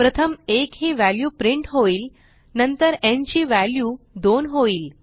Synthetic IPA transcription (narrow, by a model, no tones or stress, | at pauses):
pɾət̪ʰəmekɦiːʋæljuːpɾiɳʈɦoiːl | nənt̪əɾẽnt͡ɕiːʋæljuː | d̪onɦoiːl